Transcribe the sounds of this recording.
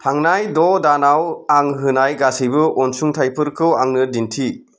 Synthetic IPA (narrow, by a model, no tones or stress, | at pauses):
tʰaŋnajdɔdanawaŋɦɯnajɡasibɯʔɔnsuŋtʰajpʰɯɾkʰɯwaŋnɯdintʰi